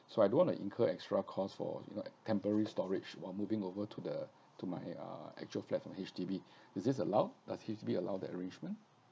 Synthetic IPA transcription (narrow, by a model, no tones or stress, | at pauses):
soajdõnwɔ̃ntṵʔḭ̃ŋkʰəɛkstɹakʰɔsfɔ̰jṵno̰tʰɛ̃mpəɹəɹistɔɹɪd͡ʒwa̰ɪlmuvɪ̃ŋovətʰudə | tuma̰jʌ̰ɛ̰k̚t͡ʃuəlflɛt̚fɹɔ̃mhet͡ʃtibi | ɪsdɪs̬əlaʊdashet͡ʃtibiəla̰ʊdɛ̰tə̰ɹẽnd͡ʒmə̃n